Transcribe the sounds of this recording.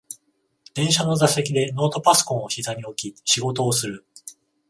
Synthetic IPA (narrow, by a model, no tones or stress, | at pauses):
d̪̥ẽ̞ɰ̃ɕano̞zase̞kʲid̪e̞no̞ːt̪o̞paso̥kõ̞ɰ̃oçizaɲ̟io̞kʲiɕiɡo̞t̪o̞ːsɨɾɯ̟